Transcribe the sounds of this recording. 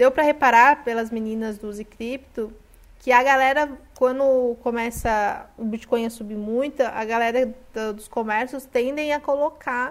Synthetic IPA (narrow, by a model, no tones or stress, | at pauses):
d̪ewpɾɐhepaɾaɾpelɐzminĩnɐzd̪ʊzikɾipt̪ʊ | kɪɐɡalɛɾɐkwɐ̃nd̪ʊkõmɛsɐʊbit͡ʃi̥kõj̃ɐsubimũj̃t̪ʊʔɐɡalɛɾɐd̪d̪ʊskomɛɾsʊst̪ẽnd̪ẽj̃ɐkolokʰa